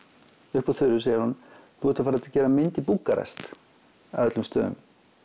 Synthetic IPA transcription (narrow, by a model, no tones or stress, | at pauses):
ʏhpɔθʏɾʏseːjɪɾhunθuvɛht̪afaɾat̪cɛːɾamɪnt̪ipuːkaɾɛ̰st̪ | aœt̪lʏmst̪œ̰ːðʏ̰m